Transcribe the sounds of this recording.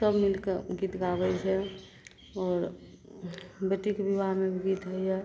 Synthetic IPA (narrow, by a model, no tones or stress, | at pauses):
səbmilkeɡit̪ɡabɛjt͡ʃʰɛ | ɔːɾ | bjəʈ̪ikbiʋaɾmebʱiɡit̪ɦəiɦɛ